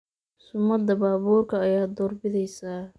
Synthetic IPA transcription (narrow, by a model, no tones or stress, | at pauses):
sʊmːɐd̪ɐbaːβuːrkʰɐːjaːd̪ɔːrbɪðɛjsaː